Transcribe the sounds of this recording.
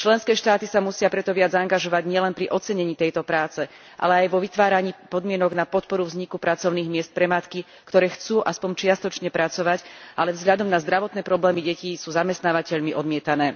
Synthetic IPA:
t͡ʃlɛnskɛːʃt̪aːt̪isamusɪapɾɛt̪ɔʋɪad͡zaŋɡaʒɔʋaɟɲɪɛlɛnpɾiʔɔt͡sɛɲɛɲiːt̪ɛjt̪ɔpɾaːt͡sɛ | ʔa̰lɛajʋɔʋit̪ʋaːɾaɲiːpɔd̪mɪɛnɔɡnapɔt̪pɔɾuvzɲikupɾat͡sɔʊniːɣmɪɛst̪̚pɾɛmat̪ki | kt̪ɔɾɛːxt͡suːʔaspɔɲt͡ʃɪast̪ɔt͡ʃɲɛpɾat͡sɔʋacʔalɛvzɦʎad̪ɔmnazd̪ɾaʋɔt̪nɛːpɾɔblɛːmiɟɛciːsuːzamɛst̪naːʋacɛʎmiʔɔd̪mɪɛt̪anɛː

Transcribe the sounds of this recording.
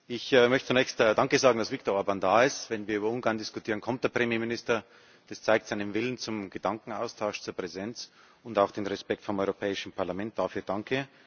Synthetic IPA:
ʔɪçɛmœçtt͡sunɛːçstːd̥aŋkəzaːɡŋ̩d̥asvɪk̚toɐɔɐbandaːɪstvɛnviːɐyːbɐʊnɡaːɐndɪskʊtʰiːʁənkʰɔmt̚d̥eːɐpʁ̥emjeːmɪnɪstɐ | d̥ast͡saɪk̚tz̥aɪnənvɪlənt͡sʊmɡ̥əd̥aŋkŋ̩a̰ʊstʰaʊʃt͡suːɐpʁ̥ɛzɛnt͡s | ʊndaʊxd̥eːnʁɛspɛk̚tfɔmʔɔʏʁopʰɛːɪʃən̩pʰaɐlamɛnt̚d̥aːfyːɐd̥aŋkʰə

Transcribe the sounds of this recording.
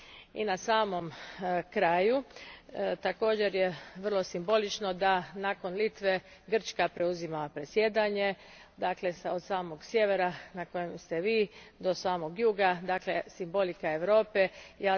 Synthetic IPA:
ḭnasaːmo̞mkɾaːju | t̪ako̞ːd͡ʑe̞ɾjeʋr̩lˠo̞simbo̞lit͡ʃno̞d̪anaːko̞nlit̪ʋe | ɡr̩t͡ʃkapɾe̞uzimapɾe̞sjed̪aɲe̞ | d̪aːkle̞sod̪saːmo̞ɡsjeʋeɾanako̞jemst̪eʋiːd̪o̞saːmo̞ɡjuːɡad̪aːklesimbo̞likae̞ʋɾo̞ːpejaː

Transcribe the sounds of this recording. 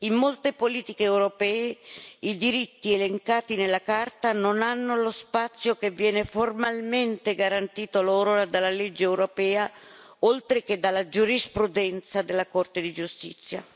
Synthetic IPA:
imːolt̪epoliːt̪ikeɛwɾopɛːeid̪iɾit̪ːieleŋkaːt̪inelːakart̪anonanːolospat̪sːjokevːjɛːneformalment̪eɡaɾant̪iːt̪oloːɾoad̪alːaled͡ʒːeɛwɾopɛːa | olt̪ɾek̟ed̪alːad͡ʒuɾispɾud̪ɛnt̪sad̪elːakort̪ed̪id͡ʒust̪ḭt̪sːja̰

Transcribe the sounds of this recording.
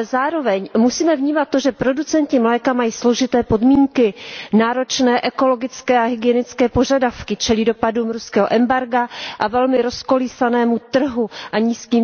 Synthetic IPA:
ɛzaːɾo̞vɛɲmusiːmɛvɲiːmat̪̚ːo̞ʒɛpɾo̞dut͡sɛnc̪ɪmlɛːkamajiːslo̞ʒɪt̪ɛːpo̞dmiːŋkɪnaːɾo̞t͡ʃnɛːʔɛko̞lo̞ɡɪt͡skɛːʔaɦɪɡɪɛnɪt͡skɛːpo̞ʒadafkɪt͡ʃɛlido̞paduːmɾuskɛːɦoʔɛmbaɾɡaʔavɛlmɪɾo̞sko̞liːsanɛːmut̪r̩ɦuʔaɲiːskiːm

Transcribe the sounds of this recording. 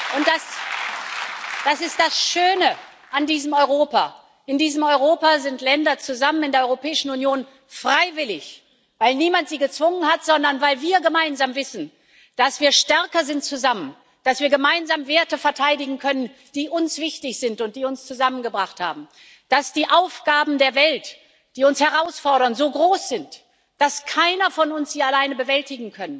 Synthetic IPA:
ʔʊnt̚d̥as | d̥asɪst̚d̥asʃøːnə | ʔandiːzəmɔʏʁoːpa̰ː | ʔɪndiːzəmɔʏʁ̞oːpazɪntlɛndɐt͡suzamənɪndeɐɔʁopʰɛːɪʃn̩unjoːn | fʁ̥aɪvɪlɪç | vaɪlniːmantz̥iːɡət͡sv̥ʊŋənhatz̥ɔndɐnvaɪlviːɐɡəmaɪnzamvɪsn̩ | d̥asv̥iːɐʃtɛɐkɐzɪnt̚t͡suzamən | d̥asv̥iːɐɡəmaɪnzaːmveːɐtəfɛɐtʰaɪdɪɡŋ̩kʰœnən | d̥iːʔʊnsv̥ɪçtɪçz̥ɪntʊnt̚d̥iːʊnst͡suzamənɡəbʁaχtha̰ːbm̩ | d̥asd̥iːʔaʊfɡ̥aːbm̩deːɐvɛlt | d̥iːʊnshɛʁaʊsfɔɐɾɐnzoːɡʁoːsz̥ɪnt | d̥askʰaɪnɐfɔnʊnsz̥iːalaɪnəbəvɛltɪɡŋ̩kʰœnən

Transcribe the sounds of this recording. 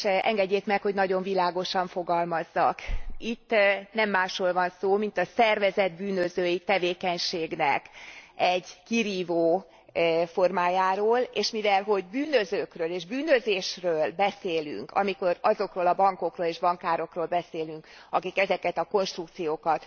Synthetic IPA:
ʔɛŋɡɛɟːeːk̪mɛkho̞ɟnɒɟo̞ɱvilaːɡo̞ʃɒɱfo̞ɡɒlmɒzːɒkit̪ːnɛmːaːʃroːlvɒnsoːmint̪ɒsɛrvɛzɛd̪̚byːnøzøːjit̪ɛveːkɛɲʃeːɡnɛ̰kɛɟkiɾiːvoː | fo̞rmaːjaːɾoːleːʃmivɛlɦo̞ɟbyːnøzøːkrøːleːʒbyːnøzeːʃrøːlbɛseːly̰ŋkɒ̰miko̞ɾɒzo̞kroːlɒbɒŋko̞kroːleːʒbɒŋkaːɾo̞kroːlbɛseːlyŋkɒkikɛzɛkɛt̪ɒko̞nʃt̪rukt̪sijoːkɒt̪

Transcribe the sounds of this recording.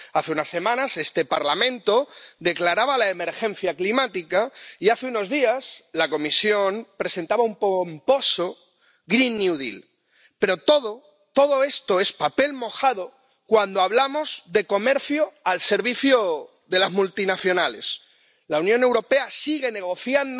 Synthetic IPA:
aθe̞unasːe̞mãnase̞st̪e̞paɾlamẽ̞nt̪o̞d̪e̞klaɾaβalaeme̞ɾxẽ̞n̟θjaklimat̪ikaiaθeuno̞zðiaslako̞misjonpɾe̞se̞nt̪aβaumpomposo | ɣɾinːuðḭl | pe̞ɾo̞t̪oðo | t̪o̞ðo̞e̞st̪o̞e̞spape̞lmo̞xaðo̞ | kwand̪oaβlamo̞zðe̞ko̞me̞ɾθjoalse̞ɾβiθjo | ðe̞lazmult̪inaθjo̞nale̞̰s | launjõne̞wɾo̞pe̞asiɣe̞ne̞ɣ̞o̞θjand̪

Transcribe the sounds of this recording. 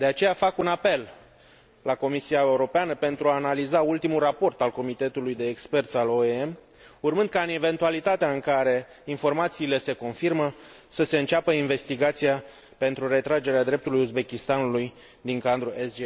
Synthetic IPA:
d̪eat͡ʃe̞jafakunape̞l | lako̞misiae̞uɾo̞peanəpe̞nt̪ɾuaːnalizault̪imulrapo̞rt̪alko̞mit̪e̞t̪ulujd̪e̞ːkspe̞rt̪sʲaloeem | urmɨnd̪̚kaɨne̞ve̞nt̪ualit̪at̪eaɨŋkaɾe̞ | info̞rmat̪siːle̞se̞ko̞nfirmə | səse̞ɨnt͡ʃapəinve̞st̪iɡat̪sija | pe̞nt̪ɾuɾe̞t̪ɾad͡ʒe̞ɾead̪ɾe̞p̚t̪ulujuzbe̞kʲist̪anuluj | d̪iŋkand̪ɾuʔesd͡ʒe

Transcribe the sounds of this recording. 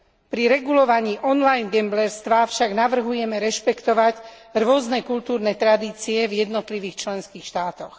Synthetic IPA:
pɾiɾɛɡulɔʋaɲiːʔɔnlajnɡɛmblɛɾst̪ʋafʃaɡnaʋr̩ɦujɛmɛɾɛʃpɛkt̪ɔʋac | ɾʊɔznɛkult̪uːɾnɛt̪ɾad̪iːt͡siɛvjɛd̪nɔt̪liʋiːxt͡ʃlɛnskiːxʃt̪aːt̪ɔx

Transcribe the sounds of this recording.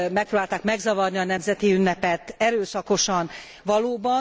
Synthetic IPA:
mɛk̚pɾoːbaːlt̪aːkmɛɡzɒvɒrniɒnɛmzɛt̪iynːɛpɛt̪ɛɾøːsɒko̞ʃɒn | vɒloːbɒ

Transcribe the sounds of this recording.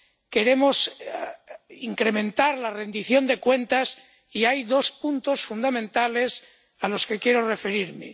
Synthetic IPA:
ke̞ɾe̞mo̞s | iŋkɾe̞mẽ̞nt̪aɾlare̞nd̪iθjo̞nd̪e̞kwe̞nt̪as | iajðo̞spunt̪o̞sfund̪amẽ̞nt̪ale̞s | alo̞ske̞kje̞ɾo̞re̞fe̞ɾiɾme̞̰

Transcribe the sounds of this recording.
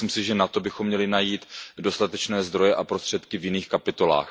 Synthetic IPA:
imsɪʒɛnat̪o̞bɪxo̞mːɲɛlɪnajiːt̪do̞st̪at̪ɛt͡ʃnɛːzd̪ɾo̞jɛʔapɾo̞st̪r̥ɛt̪kɪvjɪniːxkapɪt̪o̞la̰ːx

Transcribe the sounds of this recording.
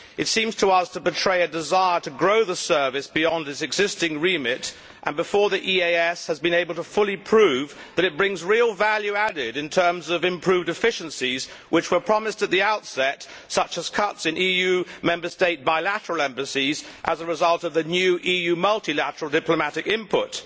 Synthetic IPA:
ɨtsĩmz̥tʰəʌz̥tʰəbɨtʰɹ̥eɪɨdɨzaɪə˞ɾɨɡɹoʊðəsɜ˞vɨsb̥iɑ̃nɨsɨɡzɪstɪ̃ŋɹimɪɾ | ʔə̃nbɨfɔɹðiʔieɪɛshɨzbɨ̃ñeɪbəl̩ˠtəfʊlˠipʰɹ̥ʉvðɨɾɨt̚b̥ɹɪ̃ŋzɹilˠvælˠjʉæɾɪɾɨ̃ntʰɜ̃˞mzʌvɨ̃mpʰɹ̥ʉvdɨfɪʃɨ̃n̩siz | wɨt͡ʃwə˞pʰɹ̥ɑmɨstɨt̪̚ðiaʊtsɛt | sʌt͡ʃəz̥kʰʌtsɨ̃nijʉmɛ̃mbə˞steɪt̚b̥aɪlæɾə˞l̩ˠɛ̃mbɨsizʔə̰zəɹɨzʌlˠtʌvðinjʉʔijʉmʌlˠtilæɾə˞l̩ˠdɪpləmæɾɨkɪ̃mpʰʊ̰t̚

